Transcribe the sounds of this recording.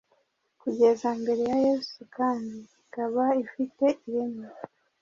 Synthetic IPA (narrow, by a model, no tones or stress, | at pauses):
kuɟe̞zambe̞ɾe̞jajeːzukaːndiikaβaifite̞ʔiɾeme